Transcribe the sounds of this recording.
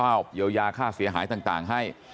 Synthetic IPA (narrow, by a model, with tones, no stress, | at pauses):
aː˥˩p̚jiː˧wjaː˧kʰaː˥˩fi˨˩˦ɦaː˨˩˦jt̪aː˨˩ŋt̪aː˨˩ŋɦa˥˩j